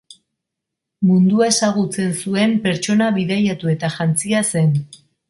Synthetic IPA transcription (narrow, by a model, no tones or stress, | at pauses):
mund̪uae̞saɣ̞ut͡se̞nsue̞mpe̞ɾt͡ʃo̞naβiðajat̪ue̞t̪aʝant͡siase̞n